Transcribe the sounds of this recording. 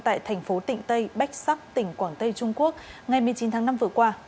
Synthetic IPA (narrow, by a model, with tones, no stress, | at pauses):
t̪a̰ː˧˨jt̪ʰɛ˨˩jŋ̟fo˨˦t̪ḭ̈˧˨ŋ̟t̪ə˧jɓa˦˥jk̟̚sa˦˥p̚t̪ï˧˩ŋ̟kwaː˧˩nt̪ə˧jt͡ɕʊ˧ŋ͡mku˦˥ək̚ŋa˨˩jmɨ˨˩ət͡ɕi˨˦nt̪ʰaː˨˦ŋna˧mvɨ˨˩əkwaː˧